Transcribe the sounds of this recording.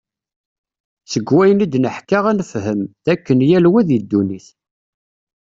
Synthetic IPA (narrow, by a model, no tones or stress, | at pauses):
səɡwæjənid̪nəħkaʁænəfhəmðækːənjælwæðəd̪ːuniθ